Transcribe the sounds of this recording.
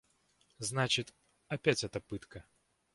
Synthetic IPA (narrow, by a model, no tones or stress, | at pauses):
znat͡ɕɪt̪ | apʲat͡sʲɛt̪ɐpɨt̪kɐ